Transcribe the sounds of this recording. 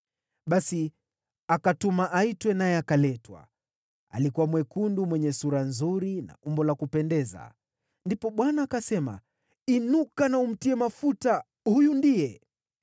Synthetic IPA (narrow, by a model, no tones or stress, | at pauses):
ɓasi | akatumaʔaitwɛnajɛakalɛtwa̰ | a̰likuwamwɛkundumwɛɲɛsuɾanzuɾina̰ʔumbɔlakupɛndɛza̰ | ndipɔɓwanaːkasɛma̰ | inukanaum̩tiɛmafuta | hujundijɛ